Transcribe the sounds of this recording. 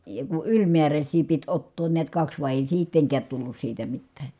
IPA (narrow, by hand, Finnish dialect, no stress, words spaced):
jɑ ku ylʲmiæræsʲsiː pit otːoːn niæt kɑks ʋɑˑi̯ eˑi siːtːeŋkæːt tulːus siːtæ mitːæː